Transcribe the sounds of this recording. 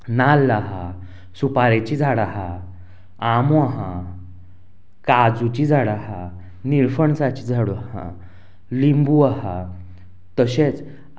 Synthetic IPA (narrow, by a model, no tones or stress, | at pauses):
nalaɦa | supaɾet͡ɕid͡zʱaɽaɦa | amuaɦa | kad͡zut͡ɕid͡zʱaɽaɦa | niɾfəɳsat͡ɕid͡zʱaɽuaɦã̰ | limbuaɦa | t̪əɕet͡s